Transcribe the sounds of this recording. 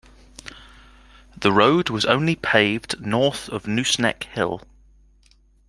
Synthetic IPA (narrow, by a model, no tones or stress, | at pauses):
ðəɹəʊdwɒzə̰̃ʊ̃nlipʰeɪvdnɔˑθəvnjʉːsnɛ̰khɪ̰lˠ